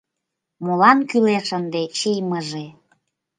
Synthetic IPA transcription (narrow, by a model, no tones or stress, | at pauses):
molɑnkyleʃənd̪et͡ɕijməʒe